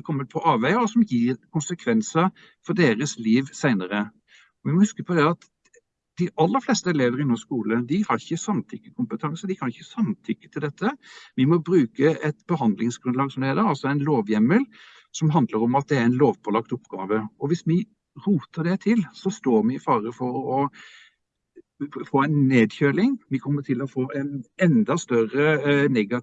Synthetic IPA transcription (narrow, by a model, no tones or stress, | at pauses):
kʰɔmːəɾpʰɔʔɑːʋæɪɔsɔmjiːɾkʰʊnsəkʰʋɛnsə | fɔɾd̪eːɾəsliːʋsæɪnəɾə | ɔʋɪmɔhʏskəpʰɔd̪ɛɑt̪ | d̪̥ɪʔɑlːəɾflɛːst̪əɛleːʋəɾɪnoːskuːləd̪ɪhɑɾɪçːəsɑmt̪ʰʏkːəkʰʊmpət̪ʰɑŋsəd̪ɪkʰɑnɪçːəsɑmt̪ʰʏkːə̥t̪ʰɪld̪ɛt̪ʰːəʋɪmɔbɾʉːkəɛt̪bəɦɑnd̪lɪŋsɡ̥ɾʉnlɑːɡsɔmd̪ɛd̪ɛɑlsɔæɪnloːʋjɛmːəl | sɔmɦɑnd̪ləɾɔmɑt̪̚d̪ɛæɾæɪnloːʋpʰɔlɑk̚t̪ʊpːɡ̥ɑːʋəɔʋɪsmɪ | ɾuːt̪əd̪ɛt̪ʰɪlsɔst̪oːɾmɪɪfɑːɾəfɔɾɔ | foːɛɪnneːd̪çøːlɪŋʋɪkʰɔmːət̪ʰɪlɔfoːʔɛnɛnd̪ɑst̪œɾənɛɡɑ